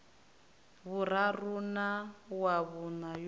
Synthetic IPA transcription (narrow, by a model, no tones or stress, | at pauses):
βuɾarunawaβunaj